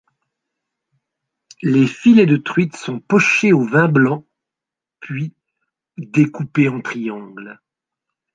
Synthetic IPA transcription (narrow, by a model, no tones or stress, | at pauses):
lefiled̪ət̪χɥit̪sɔ̃pɔʃeovɛ̃blɑ̃ | pʰɥi | d̪ekupeɑ̃t̪χijɑ̃ɡl